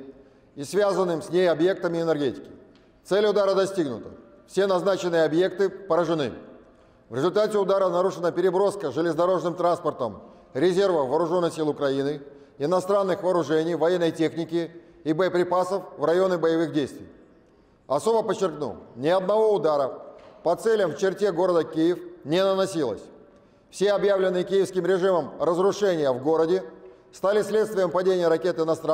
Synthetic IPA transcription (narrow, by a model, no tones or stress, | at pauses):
isvʲazənːɨmsʲnʲejɐbje̞kt̪əmʲɪːnʲərɡʲetʲɪ̥kʲɪ̥ | t̪sɛlʲʊd̪aɾəd̪ɐsʲtʲiɡnʊt̪ə̥ | fsʲenɐznat͡ɕɪnːɨjəɐbje̞k̚t̪ɨpəɾəʐɨnɨ̰ | vɾʲɪzʊlʲt̪atʲɪʊd̪aɾənɐɾuʂɨnəpʲɪɾʲɪbɾo̞skəʐɨlʲɪzd̪ɐɾo̞ʐnɨmt̪ɾanspərt̪əm | ɾʲɪzʲe̞rvəvɐːɾʊʐo̞nːɨxsʲilˠʊkɾɐinɨ | ɪnɐst̪ɾanːɨxvɐːɾʊʐɛnʲɪjvɐjenːəjtʲe̞xnʲɪkʲɪ | ibəjəpɾʲɪpasəfvrɐjo̞nɨbəjɪvɨɣdʲejst̪vʲɪj | ɐso̞bəpət͡ɕːɪrknṵlˠnʲɪɐd̪nɐvo̞ʊd̪aɾəpɐt̪sɛlʲəmft͡ɕɪrtʲeɡo̞ɾəd̪əkʲijɪfnʲɪnənɐsʲilˠə̰sʲ | fsʲeɐbjavlʲɪnːɨjəkʲijɪfskʲɪmɾʲɪʐɨməmrəzrʊʂɛnʲɪjəvɡo̞ɾədʲɪ | st̪alʲɪsʲlʲe̞t̪st̪vʲɪjəmpɐdʲenʲɪjəɾɐkʲe̞t̪ɪnɐst̪a